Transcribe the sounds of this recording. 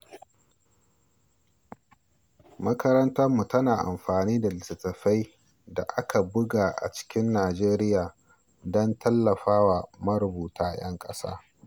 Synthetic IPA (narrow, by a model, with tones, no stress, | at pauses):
mɐ˦kɐ˦ɾɐ˦ntɐ˦rmːu˨tɐ˦naː˨ʔa̰˨mɸaː˨niː˦da˨lɪ˨sɪ˨tɐ˨ɸa˦j | da̰˨ʔa˦kʰa˨bʊ˦ɡaː˨ʔa̰˨t͡ʃɪ̥˦kʲɪ˦nːaː˨d͡ʒeː˦ɾɪ˦jaː˨ | dɔ˦ntʰɐ˦lːɐ˨ɸaː˦wa˨mɐ˦ɾʊ˨buː˨tʰaː˦˨j̰ɐ̰˦ŋkʼɐ˦sa̰ː˦